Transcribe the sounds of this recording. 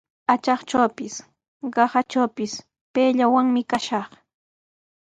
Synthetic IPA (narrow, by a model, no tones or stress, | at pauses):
at͡ʃɑχt͡ʃawpɪs | ɢɑhat͡ʃawpɪs | peːʎawaŋmɪkaʃɑχ